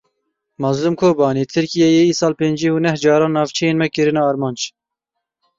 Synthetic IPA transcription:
mɑzlumkʰoːbɑːniːt̪ʰɨɾkijɛjeiːsɑːlpeːnd͡ʒiːuːnɛhd͡ʒɑːɾɑ̃ːnːɑːvt͡ʃʰɛjeːnmɛkɨɾɨnɑːɑːɾmɑːnd͡ʒ

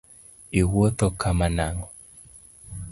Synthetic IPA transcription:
iwot̪ɔkamanaŋɔ

